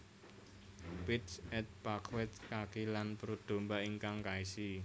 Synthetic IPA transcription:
pitsɛt̪̚pakʰwɛt̪̚kakilanpəɾud̪̥o̤mbaʔiŋkaŋkaisi

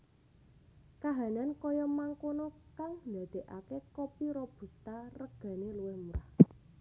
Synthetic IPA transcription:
kaɦanankɔjɔmaŋkonɔkaŋnd̪ä̤d̪̥e̤ʔakekɔpiɾɔb̥ṳst̪arəɡ̥a̤neluwɪhmuɾa

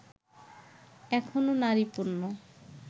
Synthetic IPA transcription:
ɛkʰononaɾipuɾno

